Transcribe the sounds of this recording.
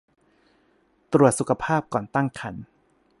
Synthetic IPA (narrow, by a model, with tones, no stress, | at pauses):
t̪ɾu˨˩ət̪̚su˨˩kʰa˧pʰaː˥˩p̚kɔː˨˩nt̪a˥˩ŋkʰa˩˦n